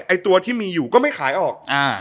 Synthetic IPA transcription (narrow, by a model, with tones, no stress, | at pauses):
ʔa˧jt̪u˧ɐt̪ʰiː˥˩miː˧juː˨˩kɔː˥˩ma˥˩jxʰaː˩˦jʔɔː˨˩k̚ʔaː˧˩